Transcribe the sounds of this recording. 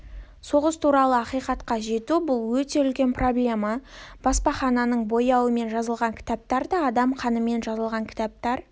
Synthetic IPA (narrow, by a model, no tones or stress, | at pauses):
so̞ʁəst̪ʰuɾɑlˠəɑqijqɑt̪qɑʒe̞t̪ubʊlˠwɵt̪e̞ʏlkʲe̞npro̞blʲe̞mɑb̥ɑspɑχɑnɑnəɴbo̞jɑwəme̞nʒɑzəlˠʁɑŋkʲʰɪ̥t̪ɑp̚t̪ɑɾd̪ɑːd̪ɑmqʰɑnəme̞nʒɑzəlˠʁɑŋkʲʰɪ̥t̪ɑp̚t̪ɑɾ